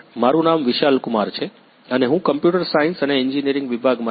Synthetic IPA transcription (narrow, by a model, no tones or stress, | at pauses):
maɾũnamʋiʃalkʊmaɾt͡ʃʰe | əneɦũkəmpjuʈəɾsainsəneɪɲd͡ʒinijəɾɪ̃ŋɡʋibʱaɡmã